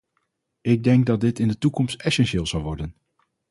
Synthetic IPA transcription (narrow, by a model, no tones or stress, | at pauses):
ɪɡ̚dɛŋɡ̚dɑt̚dɪtɪndətukɔmstɛsɛnʃɪːlˠzɑwʋɔɹdən